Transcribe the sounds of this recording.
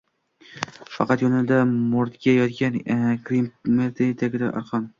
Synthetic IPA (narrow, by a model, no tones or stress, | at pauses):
fɑqɑt̪jonɪd̪amʊɾt̪ɡʲajɒt̪ɡʲankɾimmeɾt̪ʰet̪ʰaɡʲɪd̪aʔɒ̰ɾqʰɒn